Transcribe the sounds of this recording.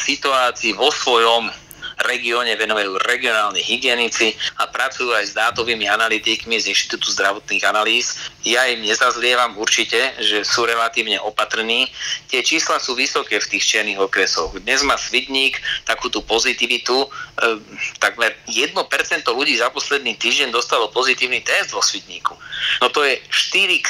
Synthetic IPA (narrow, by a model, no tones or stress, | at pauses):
sit̪uaːt͡siːʋɔsʋɔjɔm | ɾɛɡiɔːɲɛʋɛnuʋajuːɾɛɡiɔnaːlɲɛɦiɡɪɛnit͡siapɾat͡sujuːajzd̪aːt̪ɔʋiːmianalit̪ikmizinʃt̪i̥t̪ut̪uzd̪ɾaʋɔt̪niːɣanaliːsjaimɲɛzazlɪɛʋamuɾt͡ʃicɛʒɛsuːɾɛlat̪iːʊɲɛʔɔpat̪r̩niːt̪ɪɛt͡ʃiːslasuːʋisɔkɛːft̪iːxt͡ʃɪɛɾniɣɔkɾɛsɔɣd̪ɲɛzmaːsʋid̪ɲiːkt̪akuːt̪upɔzit̪iʋit̪u | t̪aɡmɛɾjɛd̪̚nɔpɛɾt͡sɛnt̪ɔluɟiːzapɔslɛd̪niːt̪iːʒɟɛnd̪ɔst̪alɔpɔzit̪iːʊnit̪ɛzd̪ʋɔsʋid̪ɲiːku̥nɔt̪ɔjɛʃt̪iɾik